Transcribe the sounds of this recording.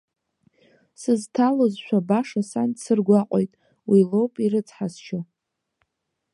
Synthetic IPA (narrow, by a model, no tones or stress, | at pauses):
sɨztʰalozʃʷᶣabaʂasandsɨrɡʷaqʼojtʼ | wilowpʼiɾɨt͡sʰʼħast͡ʃʰa